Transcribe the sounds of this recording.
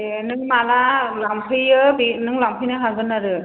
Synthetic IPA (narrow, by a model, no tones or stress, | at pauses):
enɯŋmalalampʰɯjɯbinɯŋlampʰɯjnɯɦaŋzɯnːaɾɯ